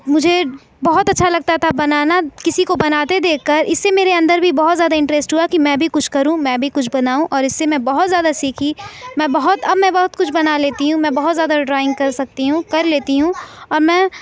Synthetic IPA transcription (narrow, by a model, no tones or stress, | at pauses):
mʊd͡ʒʱe | bɐɦʊt̪ɐtːʃʰalɐɡ̚t̪at̪ʰabɐnaːnakɪsikobɐnaːt̪ed̪eːkʰːɐɾɪsːemeːɾeɐ̃nd̪əɾbʱibɔɦʊt̪zjaːd̪aɪ̃ɳʈɾɛːsʈɦuakimɛ̃bʱikʊt͡ʃʰkɐɾũmɛ̃bʱikʊt͡ʃʰbɐnaːũʔɔːɾɪsːemɛ̃bɐɦʊt̪zjaːd̪asiːkʰimɛ̃ːbɐɦʊt̪ɐbmɛ̃bɔɦʊt̪̚kʊt͡ʃʰbɐnaleːt̪iɦũmɛ̃bɐɦʊt̪zjaːd̪aɖɾaːɪ̃ŋɡkɐɾsɐk̚t̪iɦũkɐɾleːt̪iɦũɔːɾmɛ̃ː